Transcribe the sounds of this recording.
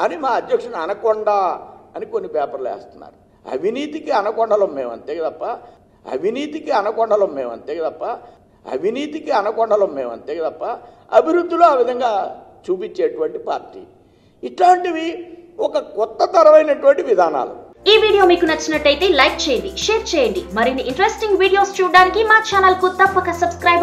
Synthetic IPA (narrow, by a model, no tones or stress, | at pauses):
ɐnimaːɐd̪jɐkʂɐnɐnɐkɔɳɖaɐnikonːipɛːpɐɾlɛ̰ːst̪unːa̰ːɾu | ɐ̰bʱiniːt̪ikiɐnɐkɔɳɖɐlɐmːeːʋɐ̰nt̪eːɡɐd̪ɐpːɐ | ɐ̰bʱiniːt̪ikiɐnɐkɔɳɖɐlɐmːeːʋɐ̰nt̪eːɡɐd̪ɐpːɐ | ɐ̰bʱiniːt̪ikiɐnɐkɔɳɖɐlɐmːeːʋɐ̰nt̪eːɡɐd̪ɐpːɐ | ɐbʱiɾud̪ʱːiloaːʋid̪ʱɐŋɡaːt͡ʃuːpiɲt͡ʃːeːʈuʋɐɳʈipa̰ːɾʈḭː | iʈlaːɳʈiʋiɔkɐkɔt̪ːɐt̪ɐɾɐʋɐjnɐʈuʋɐɳʈiʋid̪ʱaːna̰ːlṵ | iːʋiːɽijo̞ːmiːkunɐt͡ʃːɐnɐʈːɐjt̪e̞ːlɐjk̚t͡ʃɛːjɐɳɖiʂeːɾt͡ʃɛːjɐɳɖimɐɾinːiʔiɳʈɾesʈiŋɡʋiːɽijo̞ːst͡ʃuːɽaːnikimaːt͡ʃaːnɐlkut̪ɐpːɐkɐsɐbskɾɐjb